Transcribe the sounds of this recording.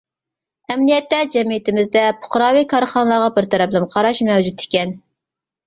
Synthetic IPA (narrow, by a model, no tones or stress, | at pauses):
ɛmnijɛt̪ːɛd͡ʒɛmijit̪ɪmɪzd̪ɛpʰʊ̥χɾɑːwikʰɑɾχɑnəlˠɑɾʁɑbɪɾt̪ʰɛɾɛplɪnqʰɑɾɑʃmɛwd͡ʒut̪ʰɪ̥kʲɛn